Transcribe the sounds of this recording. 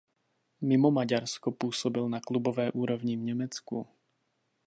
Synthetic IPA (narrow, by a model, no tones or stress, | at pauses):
mimɔmaɟaɾskɔpuːsɔbilnaklubɔvɛːʔuːɾɔvɲivɲɛmɛt͡skṵ